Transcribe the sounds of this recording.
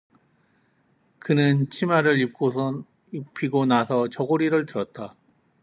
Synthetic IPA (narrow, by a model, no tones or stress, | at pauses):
kɯnɯnt͡ɕʰimaɾɯɾip̚k͈o | ipʰiɡonasʰʌt͡ɕʌɡoɾiɾɯɭtɯɾʌt̚t͈a